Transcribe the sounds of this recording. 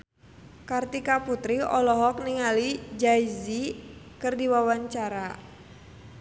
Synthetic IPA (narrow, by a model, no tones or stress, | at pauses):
kart̪ikaput̪ɾiɔlɔɦɔk̚niŋalid͡ʒaizi | kɨrdiwawaɲt͡ʃaɾa